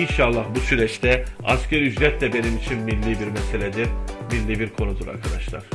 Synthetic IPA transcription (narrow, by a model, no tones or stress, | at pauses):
inʃɑlˠːɑhbusyɾɛt͡ʃt̪ʰɛɑscʰæɾyd͡ʒɾɛt̪ʰlɛbe̞nimit͡ʃʰinmilʲːibiɾmɛselʲɛd̪iɾmilʲːibiɾkʰo̞nud̪uɾa̰ɾkʰad̪aʃlˠa̰ɾ̥